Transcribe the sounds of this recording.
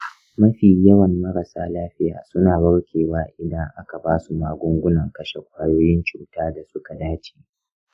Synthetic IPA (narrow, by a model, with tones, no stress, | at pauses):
mɐ˦ɸiː˨jɐ˦wɐ˨mːɐ˦ɾɐ˨saː˦laː˦ɸɪ˦ja̰ː˨sʊ˦naː˨bɐ˦ɽkʲʰeː˨waː˦ʔɪ˨dɐ˦ŋʔa˦ka˨baː˦su˨maː˨ɡʷʊ˦ŋɡʷʊ˦nɐ˨ŋkɐ˦ʃe˨kʷaː˦joː˦jɪ˦nt͡ʃuː˨taː˦da˨sʊ˦ka˨daː˦t͡ʃi̥ː˨